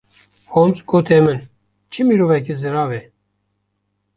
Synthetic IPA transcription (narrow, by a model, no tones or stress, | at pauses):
hont͡sɡot̪ʰɛmɨn | t͡ʃʰimiɾovɛk̬izɨɾɑːvɛ